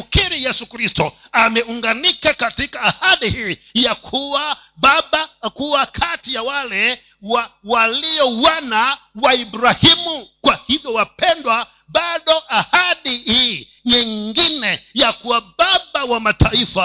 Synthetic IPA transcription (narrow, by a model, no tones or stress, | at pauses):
kiɾijɛsukɾistɔ | amɛuŋɡanikakatikaːhaɗihiːjakʰuwaɓaɓakuwakʰatijawalɛ | wawalijɔwanawaibɾahimukwahivjɔwapɛndwa | ɓaɗɔʔahaɗihi | ɲiŋɡinɛjakuwaɓaɓawamataifa